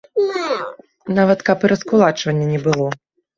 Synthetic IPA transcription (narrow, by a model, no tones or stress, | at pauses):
navɐt̪kapɨɾɐskulˠat͡ʂvɐnʲːɐnʲɛbɨlˠɔ